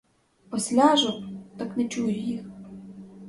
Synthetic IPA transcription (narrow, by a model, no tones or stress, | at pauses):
pɔsʲlʲaʒʊt̪ɑknɛt͡ʃujʊjix